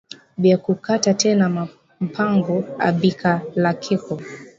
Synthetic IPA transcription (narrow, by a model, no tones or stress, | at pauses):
biakukatatɛna | m̩pʰaŋɡɔa̰bikʰalakʰikɔ